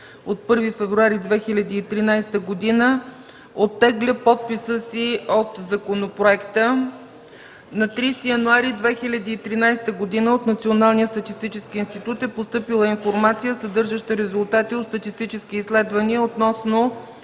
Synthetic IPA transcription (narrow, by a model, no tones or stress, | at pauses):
ot̪̚pɤɾvifɛvɾuaɾid̪vɛxilʲɐd̪iːt̪ɾinajst̪əɡod̪inə | ot̪ːɛɡlʲəpɔt̪̚pisəsiot̪zɐkonopɾoɛkt̪ə | nɐt̪ɾist̪ijɐnuaɾid̪vɛxilʲɐd̪iːt̪ɾinajsɛ̥t̪əɡod̪inəot̪nɐt̪sionalˠnijəst̪ɐt̪ist̪it͡ʃɛskiːnst̪it̪ut̪ɛpost̪ɤpilˠəinfoɾmat̪sijəsəd̪ɤɾʒəʃt̪əɾɛzʊlˠt̪at̪iot̪st̪ət̪ist̪it͡ʃɛsk̟iːslɛd̪vəniəot̪nɔsno